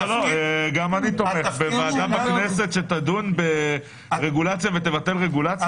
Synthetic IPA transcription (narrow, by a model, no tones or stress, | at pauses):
loeɡamanit̪oʁeχbemaːdamaknese̞t̪ʃe̞t̪adunbe | ʁeɡulat͡sjave̞t̪evat̪e̞lʁe̞ɡulat͡s